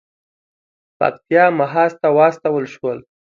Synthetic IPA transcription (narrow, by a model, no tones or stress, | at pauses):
pa̰k̚t̪ijɑmaɦɑst̪awɑst̪awəlʃwəl